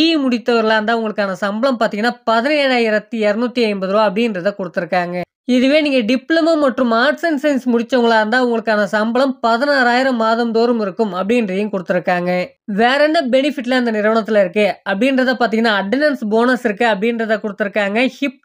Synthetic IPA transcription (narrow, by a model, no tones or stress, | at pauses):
imʊɽɪt̪ːɐʋɐɾlaːɾɯnd̪aːʋʊŋɡɐɭɯkːaːnɐsɐmbɐɭɐmpaːɾt̪iŋɐnːaːpɐðɐnɐeːɻaːjɪɾɐt̪ːiɛɾɯnuːt̪ːiɐɪmbɐðɯɾoːɐpɐɽɪndɾɐðɐkɔɽɯt̪ːɯɾɯkːaːŋɡɐ | ɪðɯʋeːniːŋɡɐɖɪplɐmɐmːɐʈrɯmaːʈsɐnsɐɪnsmʊɽɪt͡ʃːɐʋɐŋɡɐɭaːɾɯnd̪aːʋʊŋɡɐɭɯkːaːnɐsɐmbɐɭɐmpɐðɐnaːɾaːjɪɾɐmːaːðɐmd̪oːɾɯmɪɾɯkːɯmɐpːɐɽɪndrɐjɯ̃kɔɽɯt̪ːɪɾɯkːaːŋɡɐ | ʋeːɾɛnːɐbɛnɪfɪʈːlɐɪnd̪ɐnɪɾɯʋɐɳɐt̪ːɪlɐɪɾɯkːɯɐpːɽɪnɾɐðaːpaːɾt̪iŋɐnːaːɐɖːɐnɐnsboːnɐsɪɾɯkːɯɐpːɽɪndɾɐðɐkɔɽɯt̪ːɯɾɯkːaːŋɡɐhɪp̚